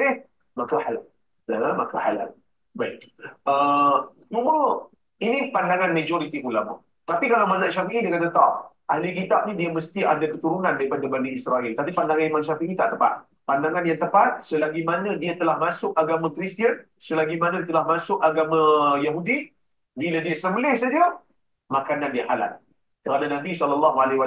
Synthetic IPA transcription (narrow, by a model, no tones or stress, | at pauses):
ɪh | makahala | dalamakaha̰la̰l | baitə | mumə | inĩpandaŋanmãd͡ʒoɾit̪iʔulama̰ | t̪apikalawmazaʔʃafiʔidiakat̪at̪a̰ʔ | ʔa̰likit̪ap̚nĩdiaməst̪iʔadakət̪uɾunandaɾipadabaniisɾailt̪apipandaŋãnimanʃafinĩt̪aʔt̪əpa̰t̪̚ | pandaŋanjaŋt̪əpat̪̚səlaɡimanədiat̪əlahmasʊkaɡamãkɾist̪iən | səlaɡimanədit̪əlahmasʊkaɡamãjaɦudi | biladiasəbəlɪhsad͡ʒa | makanandiaʔa̰la̰t̪̚ | kəɾananabisɔləlːaɦualwa